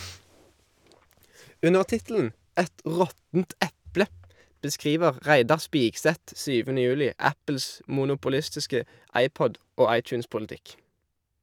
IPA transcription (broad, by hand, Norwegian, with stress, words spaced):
ˈʉnəʁ ˈtɪtl̩n̩ ˈɛt ˈʁɔtn̩t ˈʔɛplə bəˈskʁiːʋəʁ ˈʁæɪdɑʁ ˈspiːksɛt ˈsyːʋənə ˈjʉːlɪ ˈæpl̩s muːnʊpʊˈlɪstɪskə ˈɑɪˌpɔd ˈoː ˈɑɪˌt͡ʃʉːnspʊlˌtɪk